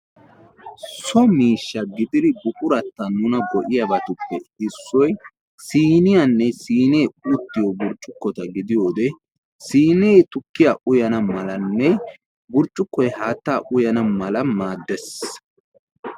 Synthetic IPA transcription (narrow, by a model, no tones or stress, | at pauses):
sɔmiːʃːɐɡɪd̪ɪd̪ɪbʊkʼʊɾɐt̪ːɐnʊnɐɡɔʔɪjɐbɐt̪ʊpːɛɪsːɔj | siːnɪjɐnːɛsiːneːʊt̪ːɪjɔbʊɾt͡ʃʼːʊkːɔt̪ɐɡɪd̪ɪjo̞ːd̪ɛ | siːneːt̪ʊkːɪjaʔʊjɐnɐmɐlɐnːɛ | bʊɾt͡ʃʼːʊkːɔjhaːt̪ːaːʔʊjɐnɐmɐlɐmaːd̪ːɛs